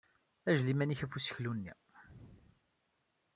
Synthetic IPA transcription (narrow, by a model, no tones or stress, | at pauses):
æʒlimæniçæfusə̥çlunːḭ